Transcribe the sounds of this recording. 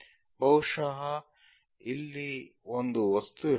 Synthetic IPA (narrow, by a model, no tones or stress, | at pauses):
bɐwuʂɐɦɐ | ilːiond̪uʋɐst̪u